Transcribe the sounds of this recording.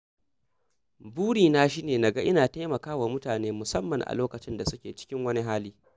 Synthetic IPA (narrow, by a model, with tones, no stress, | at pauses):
buː˦ɽiː˨naː˦ʃ̬iː˦neː˨na˨ɡa˦ʔɪ˦naː˨ta˦jmɐ˨kaː˦wa˨mʊ˦taː˨neː˦mʊ˨sɐ˦mːɐ˨ŋʔa̰˨loː˦kɐ˨t͡ʃɪ˦nda˨sʊ˦kʲeː˨t͡ʃɪ̥˦kʲɪ˦ŋwɐ˦ni˦ɦaː˦liː˦